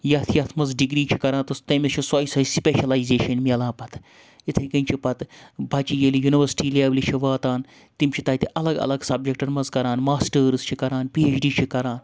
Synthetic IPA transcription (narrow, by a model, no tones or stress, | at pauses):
jɐːt̪ʰijɐt̪ʰmɐnzɖiɡɾiːt͡ʃʰi̥kɐɾãːnt̪ɐst̪ɐmit͡ʃʰisɐːjisɐispʲeːʃɐlaːizeːʃɐnmelãːpɐt̪ʰ | it̪ʰɐkɐnʲt͡ʃʰipɐt̪bʱɐt͡ʃiːjelijuniʋəɾsʈiːlaːblit͡ʃʰiʋaːt̪aːn | t̪imʲt͡ʃʰit̪ɐːit̪iʔɐlɐɡɐ̰lɐɡsɐb̚d͡ʒek̚ʈɐnmɐzkɐɾaːnmaːsʈəɾz̥t͡ʃʰikɐɾaːnpiːeːt͡ʃʰɖiːt͡ʃʰikɐɾaːn